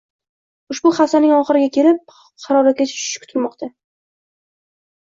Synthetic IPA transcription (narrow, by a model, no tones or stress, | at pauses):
ʊʃbʊχasanɪŋɒχɨɾɪɡʲakʲʰe̞ɾɪp̚ | qʰɑɾɒɾakʲat͡ʃʰʃʃɪ̥ʃkʰʊ̥t̪ʰɪɾmɒqt̪ʰa